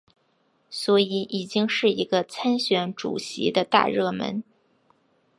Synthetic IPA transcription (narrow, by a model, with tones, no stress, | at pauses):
swɔ˧˥i˧˩ʔi˨˩t͡ɕi˥ŋʂɻ̩˥˩i˧˥ɡə˧t͡sʰa˥nɕɥɛ˧˥nʈ͡ʂṵ˨˩ɕḭ˧˥d̪ə˧t̪a̰˥˧ɻɤ˥˩mə̰˧˥n